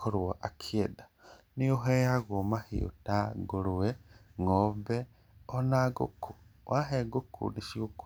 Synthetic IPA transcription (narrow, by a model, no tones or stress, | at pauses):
kʰoɾwaʔakʰieda | nioɦejaɣomahḭṵtaɡuluweŋobe | onaɡṵkuwʔaɦeɡukʰṵniʃiuk